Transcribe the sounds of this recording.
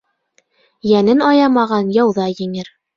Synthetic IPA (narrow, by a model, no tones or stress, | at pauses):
jænɘnɑjɑmɑʁɑnjɑwðɑjɘ̆ŋɘɾ